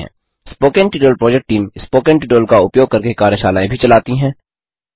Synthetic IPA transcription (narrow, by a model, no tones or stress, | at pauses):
ɦɛ̰̃ː | spoːkẽɳʈiʈoːlpɾɔːd͡ʒek̚ʈʈiːmspoːkẽɳʈɪʈoːlkaʊpjoːɡ̚kɐɾkekaːɾjəʃaːlaːẽbʱit͡ʃɐlaːt̪iɦɛ̃ː